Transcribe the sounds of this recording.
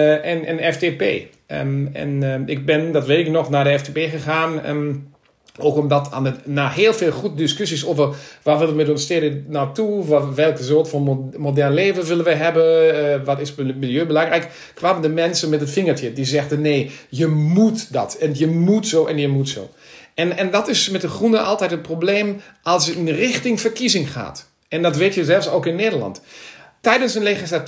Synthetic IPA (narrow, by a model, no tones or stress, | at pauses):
ɛnənɛftepḛː | ɛ̰nɪk̚bɪndɔtʋeːtɪk̚nɔxnadəɛftepeːxəxaːn | oːkɔmdɔtʰa̰nənaːɦeːlˠfeːlˠxut̚diskysisovərʋaʋɪlˠəmɪdɔnstɪɾənawtʰuʋɛlˠkəsoːtfɔnmodɛrnleːvəʋɪlənʋəɦɛbəʋɔtɪsmilˠjøːbəlɑŋrɛjk | kʰʋaːməndəmɛnsənmɛtətfɪŋətjədizɛxdənneːjəmutdɔ̰tɛnjəmutsoːʔɛnjəmutso̰ː | ɛnɛndɔtɪsmɛt̚əxrunəʔɑlˠtɛjtət̚probleːmʔɑlˠsjəɪnrɪxtɪŋfərkizɪŋxa̰ːt | ɛndɔtʋeːtjəzɛlˠfsoːkɪnːeːdərlɑ̰ntː | ɛjdənsənlexislat